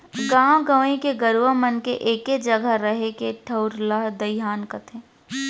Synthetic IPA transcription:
ɡãːwɡəʋẽkeɡɐɾʋamənkeʔeːked͡ʒɐɡaɾɐɦekeʈʰɐʊɾlaɦd̪ɐɪɦaːnkɐt̪ʰẽː

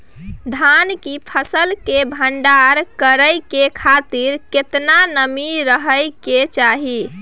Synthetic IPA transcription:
d̪ʱankipʰəsəlkebʱəɳɖaɾkəɾəjkekʰat̪iɾket̪nanəmiɾəɦəjket͡ʃaɦi

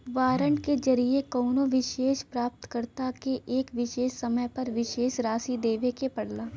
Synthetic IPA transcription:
ʋaːɾəɳɖked͡ʒɐɾiekɔːnoʋɪʃeːʃpɾaːp̚t̪kəɾt̪akeʔeːkʋɪʃeːʃsɐməjpɐɾʋɪʃeːʃɾaːsid̪eːʋekepɐɽlaː

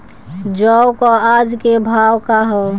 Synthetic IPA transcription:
d͡ʒɔwkɔad͡ʒkebʱaːwkaɦɔ

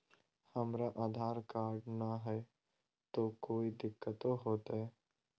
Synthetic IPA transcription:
hɐmɾaʔaːd̪ʱaːɾkaːɾɖnaɦɛ | t̪okoːid̪ɪkːət̪oɦoːt̪aɦɛː

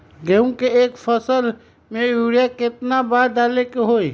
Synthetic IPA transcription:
ɡeũkeeːkfʰəsəl | mẽjuːɽijakɪt̪nabaːd̪alekeɦoːi

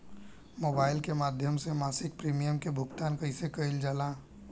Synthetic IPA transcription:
moːbaːɪlkemaːd̪ʱjəmsemaːsɪk̚pɾiːmijəmkebʱʊɡt̪aːnkəisekəɪld͡ʒaːlãː

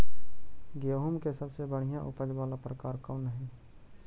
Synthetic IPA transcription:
ɡejoɦomkesəbsebəɽ̤ijãʔʊpəd͡ʒʋaːlapɾəkaːɾkɔːnɦɛ̃ː

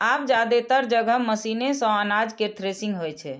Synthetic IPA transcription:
ab̚d͡ʒad̪et̪əɾd͡ʒəɡʱəməsinesə̃anad͡ʒket̪ʰɾesĩŋɡɦojt͡ʃʰɛ

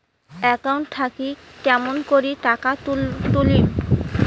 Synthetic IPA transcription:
ɛkauɳʈt̪ʰakikɛmonkoɾiʈakaut̪ulim

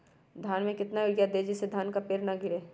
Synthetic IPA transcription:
d̪ʱjaːnmẽkɪt̪naʋɪɡjad̪eːd͡ʒɪsed̪ʱjaːnkapeːɾnaɡɪɾeː

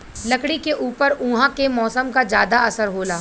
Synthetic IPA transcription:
lɐkɽikeʔuːpəɾũːɦãkemɔːsəmkad͡ʒjaːd̪aɐsəɾɦoːlaː

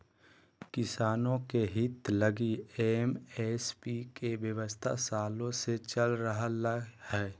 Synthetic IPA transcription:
kɪsaːnõkeɦɪt̪ləɡiemeːspikeʋjəʋəst̪ʰa̰saːlõset͡ʃəlɾəɦaləhɛː

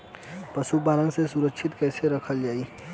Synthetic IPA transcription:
pɐʃubaːlə̃ŋsesʊɾəkːʃʰɪt̪kɛːseɾɐkʰəld͡ʒaːi

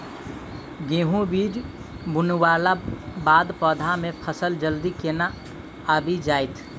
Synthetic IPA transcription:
ɡẽːɦũbiːd͡ʒ | bʊnwaːlabaːd̪pɔːd̪ʱamẽpʰəsəld͡ʒəld̪ikeːna | abʱid͡ʒaːɪt̪ʰ

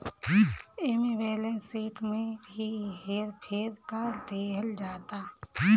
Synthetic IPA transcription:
eːmebeːlẽnsiːʈmẽbʱiɦeːɾpʰeɾkaɾd̪eːɦəld͡ʒaːt̪aː

